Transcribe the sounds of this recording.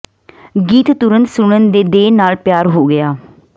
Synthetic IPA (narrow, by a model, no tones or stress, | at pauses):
ɡiːt̪t̪ʊɾənt̪sʊɳ̃ənd̪eːd̪eːnaːlpjaːɾɦoːɡɪjaː